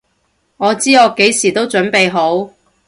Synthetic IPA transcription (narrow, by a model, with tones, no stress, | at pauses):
ŋɔː˨˧t͡siː˥ɔː˨˧ke˨˥jsiː˨˩t̪o˥wt͡ʃɵ˨˥npe˨˧jɦo˨˥w